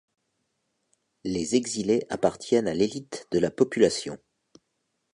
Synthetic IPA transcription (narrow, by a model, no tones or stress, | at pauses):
lezeɡzileʔapaʁt̪jɛnalelit̪d̪əlapɔpylasjɔ̃